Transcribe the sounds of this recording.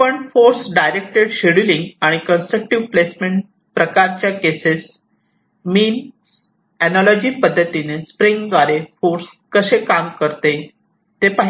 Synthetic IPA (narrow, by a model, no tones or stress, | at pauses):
pəɳfoɾsɖajɾek̚ʈeɽɕeɽiliŋɡaɽ̃ikənsʈɾək̚ʈiʋplesmeɳʈ | pɾəkaɾt͡ɕjakeses | miːn | ɛnɔlɔd͡ʑiːpəd̪ʱːət̪inespɾiŋɡʋaɾefoɾskəsekamkəɾt̪e | t̪epaɦ